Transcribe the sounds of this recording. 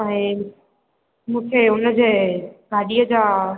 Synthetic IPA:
ɛ̃ː | mũːkʰeːʊnəd͡ʑeːɡʱaːɗijəd͡ʑaː

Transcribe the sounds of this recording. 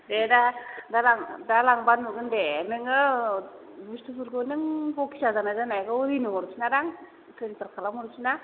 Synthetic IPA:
dedadalaŋdalaŋbanːuɡɯndenɯŋɯ | bustupʰuɾɡonɯŋbɔki̥sazanaɡɯnajɡɯɾinɯmɔɾusinaɾaŋ | tʰensaɾkʰalamɔɾusina

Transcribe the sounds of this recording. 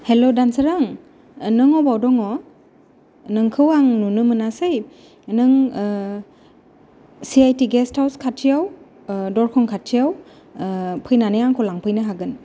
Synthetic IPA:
helodansɯɾaŋ | nɯŋɔbawdɔŋɔ | nɯŋkʰɯwaŋnunɯmɯnasɯj | nɯŋ | siajtiɡɛstʰawskʰatʰːijaw | dɔɹkʰɔŋkʰatʰːijaw | pʰɯjnanejaŋkʰɔlaŋpʰɯjnɯɦaɡɯn

